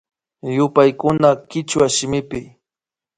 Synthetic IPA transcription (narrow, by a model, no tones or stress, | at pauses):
jʊpajkʊnakɪt͡ʃwaʃɪmɪpɪ